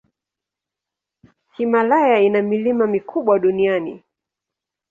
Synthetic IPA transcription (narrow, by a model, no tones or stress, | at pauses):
simalajainamilimamikʰuɓwaɗunianḭ